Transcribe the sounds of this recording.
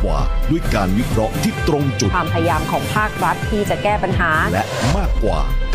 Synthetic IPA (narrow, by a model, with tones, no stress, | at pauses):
wa̰ː˨˩du˥˩əjkaː˧nwi˦˥kʰɾɔ˦˥ʔt̪ʰiː˥˩t̪ɾo˧ŋt͡ɕu˨˩waː˧mpʰa˧ja˧jaː˧mkʰɔː˩˦ŋpʰaː˥˩k̚ɾa˦˥t̪ʰːiː˥˩t͡ɕa˨˩kɛː˥˩pa˧nɦaː˩˦lɛ˦˥ʔmaː˥˩kːwa̰ː˨˩k